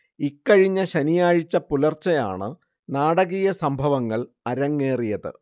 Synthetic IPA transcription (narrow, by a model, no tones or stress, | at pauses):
ikːɐɻiɲːɐɕɐnijaːɻit͡ɕːɐpulɐrt͡ɕːɐja̰ːɳɨ | naːɽɐɣijɐsɐmbʱɐʋɐŋːɐɭ | ɐɾɐŋːe̞ːrijɐðɨ̰